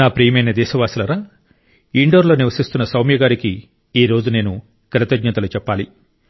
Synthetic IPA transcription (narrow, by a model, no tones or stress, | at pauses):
naːpɾijmɐjnɐd̪ɛːʃɐʋaːsilɐɾaː | iɳɖo̞ːɾlo̞ːniʋɐsist̪unːɐsɐwmjɐɡaːɾiki | iːɾo̞ːd͡ʒune̞ːnu | kɾɐt̪ɐɡɲɐt̪ɐlut͡ʃɛpːaːli